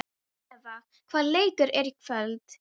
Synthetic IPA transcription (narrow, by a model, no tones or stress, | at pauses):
ɛva | kʰv̥aːðleːjkʏɾɛɾikʰvœlt̪